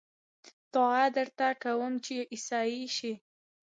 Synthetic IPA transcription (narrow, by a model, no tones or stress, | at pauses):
t̪ɑad̪əɾt̪akawəmt͡ʃeʔisɑiʃi